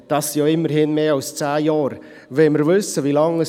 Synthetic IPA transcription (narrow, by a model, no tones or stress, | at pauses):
d̥ɑːsːijoːɪmːəɾhɪnmeːɑwst͡sæːjɑːɾ | vɛlməɾvʏsːəvilɑŋəs